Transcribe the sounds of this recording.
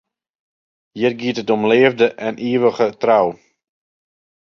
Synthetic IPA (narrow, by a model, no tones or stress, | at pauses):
jɪrɡiətətɔmleːəvdəʔɛniəʋəɣətraw